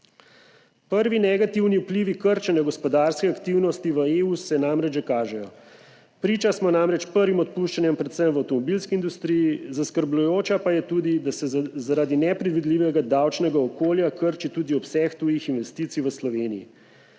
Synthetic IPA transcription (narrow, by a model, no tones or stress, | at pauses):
pəɾʋinɛɡat̪iwniupliʋikəɾt͡ʃɛnjaɡɔspɔd̪aɾskɛakt̪iwnɔst̪iʋəeusɛnamɾɛd͡ʒʒɛkaːʒɛjɔ | pɾiːt͡ʃasmɔnamɾɛt͡ʃpəɾʋimɔt̪̚puʃt͡ʃanjɛmpɾɛt̪səmʋawt̪ɔmɔbilskiːnd̪ust̪ɾijizaskəɾblʲujoːt͡ʃapajɛt̪ud̪id̪asɛzaɾad̪inɛpɾɛd̪ʋid̪liʋɛɡad̪awt͡ʃnɛɡaɔkoːljakəɾt͡ʃit̪uːd̪iɔpsɛxt̪uːjixinʋɛst̪iːt̪siʋəslɔʋeːnijḭ